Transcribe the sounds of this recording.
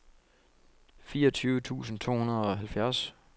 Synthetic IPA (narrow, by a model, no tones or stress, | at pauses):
fiːɐɒ̽t͡sʰyːʊət͡sʰṵːsn̩t͡sʰo̝̰ːhunɐðˠɒ̽ɦælfjæɐs